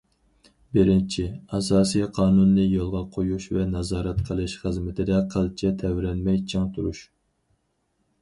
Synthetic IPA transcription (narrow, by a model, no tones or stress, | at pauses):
bɪɾɪnt͡ʃʰiɑs̬ɑːsijqʰɑːnunːɨjolˠʁɑqʰojuʃvɛnɑzɑːɾɛt̪qʰəlˠɨʃχəzmɪt̪ʰɪd̪ɛqʰəlˠt͡ʃʰɛt̪ʰɛvɾɛnmɛjt͡ʃʰɑŋt̪ʰuɾuʃ